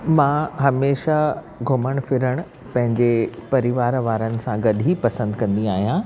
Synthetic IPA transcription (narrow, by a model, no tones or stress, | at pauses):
mãːɦɐmeːʃa | ɡʱʊməɽ̃fɪɾəɽ̃ʊ̆ | pɐ̃ɦɪ̃ɲd͡ʑepɐɾɪʋaːɾʋaːɾənɪ̆sãɡɐɗʱipɐsə̃nd̪kɐ̃nd̪ĩaːɦijã